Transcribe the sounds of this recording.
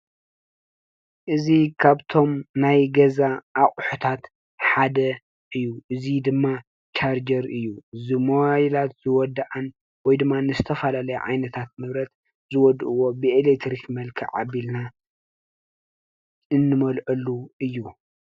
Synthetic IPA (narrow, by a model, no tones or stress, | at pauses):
ʔɨzikʰaβt̪ʰo̞mnajɡɐzaʔːχʼħut̪ʰat̪ | ħad̪ɐ | ʔɨjːuʔɨzid̪ɨmːa | t͡ʃʰaɾd͡ʒɐɾɨjːuzɨmojlat̪z̥ɨwɔd̪aʔan | wɔjd̪ɨmːanɨzɨt̪ʰɐfɐlalɐjuʕa̰jnɐt̪ʰat̪̚mɨβɾɐt̪ | zɨwɔd̪ʔɨwo̞bɨelek̚t̪ɾikmɐlkʰiʕa̰βilna | ɨnːɨmɐlʔɐlːuɨjːu